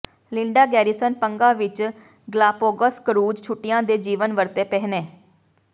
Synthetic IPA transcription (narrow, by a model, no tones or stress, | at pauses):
lɪɳɖaːɡɛːɾiːsənpəŋɡaːʋɪt͡ʃ | ɡlaːpoːɡəskəɾuːd͡ʒt͡ʃʰʊʈːɪjãːd̪eːd͡ʒiːʋənʋəɾt̪eːpɛɦneː